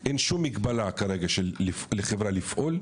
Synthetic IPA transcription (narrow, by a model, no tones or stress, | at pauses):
ʔenʃumːiɡbalakaɾeɡaʃeifleχevɾalifʔol